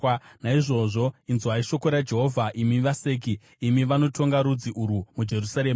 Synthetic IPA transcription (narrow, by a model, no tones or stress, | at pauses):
naiʐo̞ʐo̞inzaiʃo̞koɾad͡ʒe̞ɦo̞ːvʱaʔimiʋaseːk̬iː | miʋano̞tʰo̞ŋɡaɾud͡ziʔuɾumud͡ʒe̞rusaɾeːm